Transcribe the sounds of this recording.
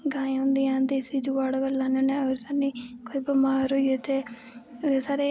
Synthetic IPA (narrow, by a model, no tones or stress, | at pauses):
ɡãːẽʊ̃nd̪ijãːd̪eːsiːd͡ʒuʋaːɽaɡəlːãːnãːneəɾsaːnːiːkoibəmaːɾɦoːieːt̪eː | saːɾeː